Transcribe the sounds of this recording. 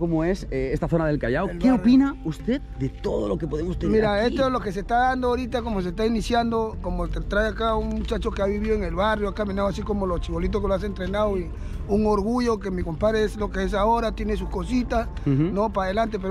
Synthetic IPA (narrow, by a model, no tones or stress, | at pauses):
komoe̞seest̪aθonaðe̞lkajaokeopinaust̪eðd̪et̪oðolokepo̞ðemost̪emiɾaest̪oezlo̞ke̞se̞st̪aðand̪oaoɾit̪ako̞mos̬e̞st̪ainisjand̪o̞ko̞mot̪t̪ɾaeakauŋmut͡ʃat͡ʃo̞keaβiβiðoeŋe̞lβarjoakamĩnaðoas̬iko̞mo̞lot͡ʃiβo̞lit̪̬okeloas̬e̞nt̪ɾe̞nawi | uŋo̞ɾɣuʝo̞kemiko̞mpaðɾeeslo̞kees̬ao̞ɾat̪je̞nes̬usko̞sit̪as | no̞paðe̞lant̪̬e̞p̬eɾo